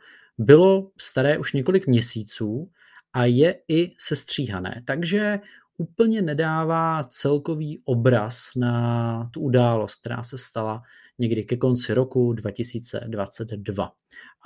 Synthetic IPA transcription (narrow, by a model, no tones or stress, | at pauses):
bɪlo̞fst̪aɾɛːʔuʃɲɛko̞lɪkmɲɛsiːt͡suː | ʔajɛɪsɛst̪r̝̥iːɦanɛ̰ːt̪aɡʒɛ | ʔuːpl̩ɲɛnɛdaːvaːt͡sɛlko̞viːʔo̞bɾasnat̪uʔudaːlo̞st̪k̚t̪ɛɾa̰ːsɛst̪ala | ɲɛɡdɪkɛko̞nt͡sɪɾo̞kudvacɪsiːt͡sɛ̰dvat͡sɛd̪dva̰